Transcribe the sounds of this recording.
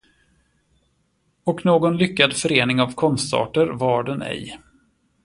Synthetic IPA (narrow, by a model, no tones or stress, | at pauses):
ɔknoːɡɔnlʏkːad̪fœɾeːnɪŋavkʰɔnst̪ɑ̰ːʈəɾvɑːɖɛnɛ̰j